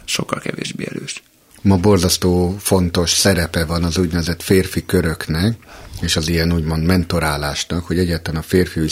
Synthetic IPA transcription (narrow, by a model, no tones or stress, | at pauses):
ʃokːɒlkɛvḛːʒbḛːɛløːʃ | mɒbo̞rzɒst̪oːfo̞nt̪o̞ʃsɛɾɛpɛvɒnɒzuːɟnɛvɛzɛt̪feːrfikøɾø̞knɛkeːʃɒzijɛnuːɟmo̞nd̪mɛnt̪o̞ɾaːlaːʃnɒkho̞ɟɛɟːaːt̪lɛnɒfeːrfiu